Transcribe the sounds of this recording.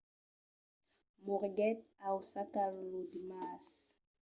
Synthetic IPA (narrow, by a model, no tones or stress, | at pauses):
muʁɡɛt̪awsakalːud̪imas